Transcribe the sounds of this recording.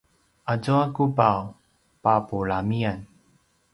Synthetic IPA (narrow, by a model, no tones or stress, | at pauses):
ʔazoakupaw | papuɭamian